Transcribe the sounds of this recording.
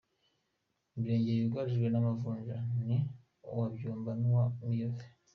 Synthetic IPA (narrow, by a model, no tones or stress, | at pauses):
bɾe̞ːɲɟeβiɡwaɾiʒɡwe̞namavuːɲʒani | uwabjuːmbanwamive